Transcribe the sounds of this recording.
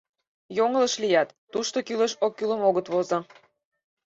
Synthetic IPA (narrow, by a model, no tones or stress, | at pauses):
joŋələʃlijɑt̪ːuʃt̪okyleʃokːylə̆moɣət̪βozɤ̆